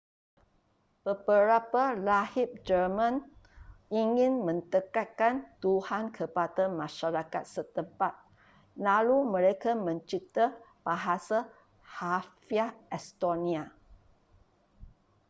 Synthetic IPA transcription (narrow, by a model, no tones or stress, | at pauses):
b̥əbəɾapalahip̚d͡ʒərmãn | iŋĩnmə̃nt̪əkat̪̚kant̪uhankʰəpadamãʃaɾaka̰t̪̚sət̪əmpat̪̚ | lalumə̃ɾekamə̃ɲt͡ʃit̪ab̥aɦasa | hafiaɛst̪onĩa